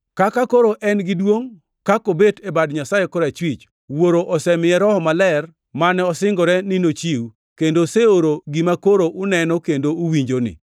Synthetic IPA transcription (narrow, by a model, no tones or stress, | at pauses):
kakakoɾoʔɛnɡɪdwoŋ | kakobetebadɲasajekɔɾat͡ʃwit͡ʃ | woɾoʔɔsɛmɪɛɾɔhɔmalɛr | manɛɔsɪŋɡɔɾɛnɪnot͡ʃiwu | kendoseoɾoɡimakoɾoʔʊnɛnɔkendouwiɲd͡ʒonɪ̰